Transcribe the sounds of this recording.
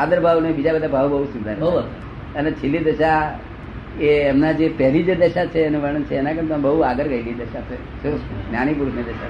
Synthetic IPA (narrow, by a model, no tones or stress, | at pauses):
ad̪əɾbʱaʋnebid͡ʒabəd̪abʱaʋbəɦusũnd̪ʱaɾo | ənet͡ʃʰilːid̪əʃa | eːmnad͡ʒepəɦlid͡ʒed̪əʃat͡ʃʰeːnũʋəɽ̃ənt͡ʃʰeːnãkəɳt̪ombəɦuaɡəɾɡəilid̪əʃae | suɾunjaɽ̃ip̬uɾuʃned̪əʃa̰